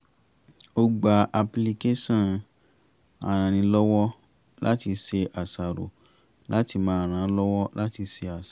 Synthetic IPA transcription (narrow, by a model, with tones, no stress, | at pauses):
o˧ɡ͡ba˧ʔa˧pli˧ke˦sɔ̃˦˨ | a̰˨ɾ̃ã˨nĩ˧lɔ˦wɔ˦ | la˦ti˧se˧ʔa˨sa˨ɾo̰˨ | la˦ti˧mãː˦a˨ɾ̃ã˨˦lɔ˦wɔ˦la˦ti˧se˧a˨sa˨